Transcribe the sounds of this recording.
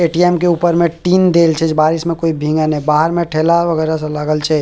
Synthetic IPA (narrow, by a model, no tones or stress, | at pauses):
eːʈiɛːmkeuːpəɾmẽʈiːnd̪eːlt͡ʃʰed͡ʒbaːɾismẽkoːibʱĩːŋɡanɐɦĩbaːɦəɾmẽʈʰeːlaʋɐɣɛːɾasalaːɡəlt͡ʃʰe